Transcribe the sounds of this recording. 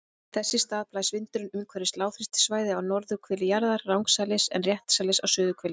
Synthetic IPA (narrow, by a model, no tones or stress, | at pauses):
θɛsːɪst̪aːðplaːjsvɪnt̪ʏɾʏnʏmkʰvɛɾɪst̪laːwfɾɪst̪svaːjðɪawnɔɾðʏkʰvɛːlɪjaɾðaɾːawŋksaːlɪsɛ̰nrjɛht̪salɪsawsʏːðʏkʰvɛːlɪ̥